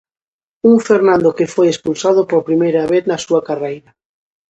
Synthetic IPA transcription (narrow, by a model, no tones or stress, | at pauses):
uŋfeɾnãnd̪okefojespulsaðopoɾpɾimejɾɐβeθnɐsuɐkarejɾɐ